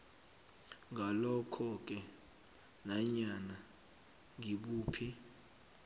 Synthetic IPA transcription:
ŋʱalɔkʰɔk̬ʼɛ | naɲana | ŋʱiɓuːpʰi

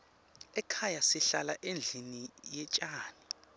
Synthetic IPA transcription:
ɛkʰajasiɬalaʔend͡ɮʱinijɛt͡ʃʼaːni

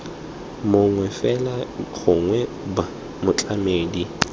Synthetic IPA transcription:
mʊŋwɛfɛlaɣʊŋwɛ | ba | mʊt͡ɬʼameːdi

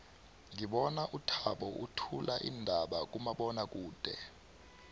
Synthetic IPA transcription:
ŋiɓɔnaʔutʰaɓɔʔutʰulaʔḭndʱaɓak̬ʼumaɓɔnak̬ʼuːd̥ʱɛ̰

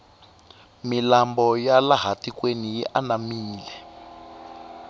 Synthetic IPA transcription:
milambɔjalaɦatikwenijḭʔanamiːlɛ

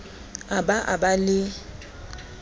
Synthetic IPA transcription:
abaʔa̰balɪ

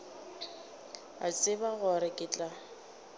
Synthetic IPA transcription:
a̰t͡sʼɪbaɣɔɾɪkʼɪt͡ɬʼa

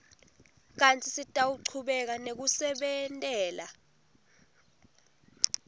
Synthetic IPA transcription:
k̬ant͡sʰʼisitʼawuǀʰuɓɛk̬anek̬usɛɓɛntʼɛːla

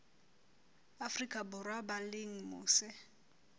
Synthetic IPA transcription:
afrikʼabʊrwabalɪŋ̩mʊ̰ːsɪ

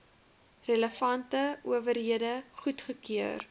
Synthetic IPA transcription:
rələfɐntəuəvəɾɦiədəχutχəkyər

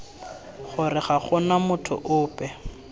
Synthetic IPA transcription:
χʊrɪχaχʊnamʊtʰʊ̰ʔʊːpɛ

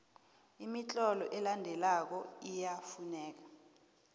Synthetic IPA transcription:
imit͡ɬʼɔlɔʔɛlandʱɛlak̬ɔijafunɛːk̬ḁ

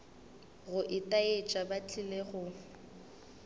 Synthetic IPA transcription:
ɣʊʔɪtʼaet͡ʃʼabat͡ɬʼileɣʊ

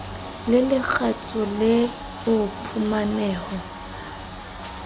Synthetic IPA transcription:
lɪlɪk͡xʰat͡sʼɔlɪ | ʊpʰumanɛːɣɔ

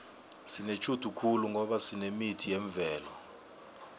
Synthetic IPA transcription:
sinet͡ʃʰʼud̥ʱukʰuluŋʱɔɓasinemitʰijeɱvʱɛːlɔ

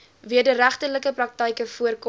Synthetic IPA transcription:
viədəɾæχtərləkəprɐk̚təjkəfuərk

